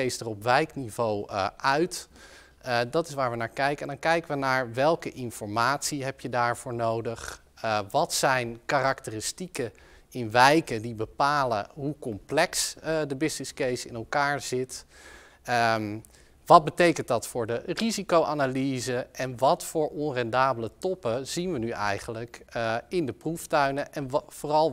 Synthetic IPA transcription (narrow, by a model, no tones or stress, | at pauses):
ejsdərɔpʋɛjknivowʔœɥt | dɑtɪsʋaːɹʋənaːɹkɛjkəɛndɑŋkɛjkəʋənaːɹʋɛlˠkəʔɪnfɔɹmaːtsiɦɛpjədaːɹv̥ʊːɹnowdəχ | ʋɑtsɛjnkaːrɑktərɪstikə | ɪnʋɛjkədibəpaːlə̰ɦukɔmplɛksdəbɪsnɪskejsɪ̰nɛlˠkaːɹz̥ɪt | ə | ʋɑd̚bətejkənt̚dɑtfʊːɹdərizikowʔaːnalizəɛnʋɑtfʊːɹʔɔnrɛndaːbələtɔpəz̥inʋənyʔɛ̰jχənləkɪndəpruftœɥnəʔɛnv̥ʊːrɑlˠ